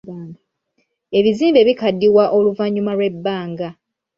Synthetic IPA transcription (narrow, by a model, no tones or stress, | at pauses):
e̞βiziːmbe̞βikadːiwaʔo̞luvaɲumalwe̞bːaːŋɡa